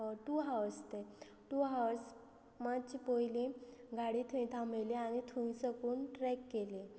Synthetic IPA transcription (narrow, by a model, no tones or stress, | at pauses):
ʈuɦaʋəst̪e | ʈuɦaws | mat͡ɕipɔjileɡʱaɽit̪ʰuĩt̪ʰameleañit̪ʰuĩsəkuːnʈɾɛkːele